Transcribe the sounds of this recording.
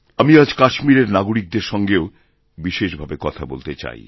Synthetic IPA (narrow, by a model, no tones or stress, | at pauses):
amiad͡ʑkaʃmiɾeɾnaɡoɾik̚d̪eɾʃɔŋɡeo | biʃeʃbʱabekɔt̪ʰabolt̪et͡ɕa̰j